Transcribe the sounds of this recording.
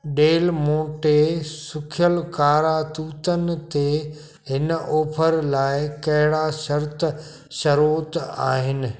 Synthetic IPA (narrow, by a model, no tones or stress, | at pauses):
ɗeːlmoːʈesʊkʰjəlkaːɾat̪uːt̪ənɪ̆t̪e | ɦɪnʔoːpʰəɾlaːɪkɐɦɪɽaʃɐɾt̪ | ʃɐɾoːt̪a̰ːɦɪnɪ̆